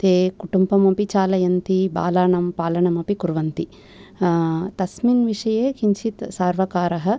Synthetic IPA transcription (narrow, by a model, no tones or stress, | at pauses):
t̪eːkuʈumbɐmɐpit͡ʃaːlɐjɐnt̪iba̰ːlaːɳɐmpaːlɐɳɐmɐpikuɾʋɐnt̪i | t̪ɐsminʋiʂɐjeːkiɲʃit̪saːɾʋɐkaːɾɐɦɐ̆